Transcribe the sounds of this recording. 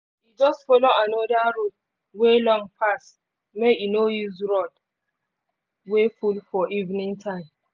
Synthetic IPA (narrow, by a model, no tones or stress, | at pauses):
hid͡ʒɔstfɔloãnɔdaɹot | welɔ̃ŋpʰas | meinojizɹɔd | wefulfɔʔivinĩŋtʰãɪ̃m